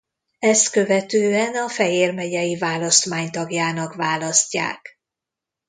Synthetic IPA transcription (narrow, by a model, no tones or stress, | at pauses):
ɛst̪kø̞vɛt̪øːɛnɒfɛjeːrmɛɟɛjivaːlɒst̪maːɲt̪ɒɡjaːnɒkvaːlɒscːa̰ːk